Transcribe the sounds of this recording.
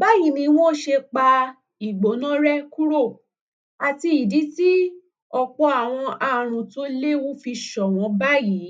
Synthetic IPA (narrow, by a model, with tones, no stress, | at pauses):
ba˦ji˨˦nĩ˧˦w̃ɔ̃˦ʃe˧k͡pa˧ | i˨ɡ͡bo˨˦nã˦ɾɛ˦ku˦ɾo˦˨ | a˨ti˧i˨di˨˦ti˦ | ɔ˧k͡pɔ˦a˨w̃ɔ̃˧ʔa˨ɾ̃ũ˨to˦le˦wũ˦fi˧ʃɔ˨w̃ɔ̃˨˧˦ba˦ji˨˦